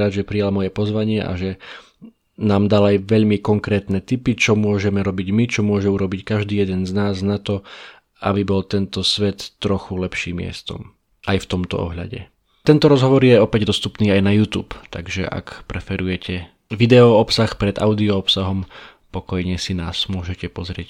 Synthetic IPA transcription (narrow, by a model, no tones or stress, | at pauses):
ɾad̪ʒɛpɾijalmɔjɛpɔzʋaɲɪɛʔa̰ʒɛ | naːmd̪alajʋɛʎmikɔŋkɾɛːt̪nɛt̪ipit͡ʃɔmʊɔʒɛmɛɾɔbiɟmit͡ʃɔmʊɔʒɛuɾɔbickaʒd̪iːjɛd̪ɛnznaːznat̪ɔ | ʔa̰bibɔlt̪ɛnt̪ɔsʋɛt̪ːɾɔxulɛpʃiːmɪɛ̰st̪ɔ̰m | ʔajft̪ɔmt̪ɔ̰ɔ̰ɦʎa̰ɟɛ̰ | t̪ɛnt̪ɔɾɔzɦɔʋɔɾjɛɔpɛɟd̪ɔst̪upniːajnajuːt̪ṵːpt̪a̰ɡʒɛ̰ʔa̰kpɾɛfɛɾujɛcɛ | ʋid̪ɛɔɔpsaxpɾɛd̪ʔa̰ʊd̪iɔɔpsaɦɔm | pɔkɔjɲɛsinaːsmʊɔʒɛcɛpɔzɾɪɛ̰c